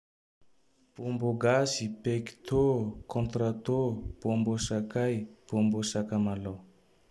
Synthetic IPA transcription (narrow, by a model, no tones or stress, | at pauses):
pomboɡasipeki̥t̪ʰokɔ̃nt̪ɾat̪opombosakajpombosakamalɔ